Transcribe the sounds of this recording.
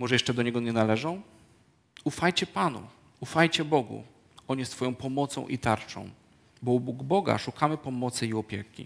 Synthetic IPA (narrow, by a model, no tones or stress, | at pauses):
mɔʐɛjɛʂt͡ʂɛd̪ɔɲɛɡɔɲɛnalɛʐɔ̃w̃ | ufajt͡ɕɛpanṵ | ufajt͡ɕɛbɔɡṵ | ɔɲist̪fɔjɔ̃w̃pɔmɔt̪sɔ̰̃w̃ʔḭt̪aɾt͡ʂɔ̰̃w̃ | bɔɔbuɡbɔɡa̰ʂukamɘpɔmɔt̪sɘiɔpʲjɛkʲḭ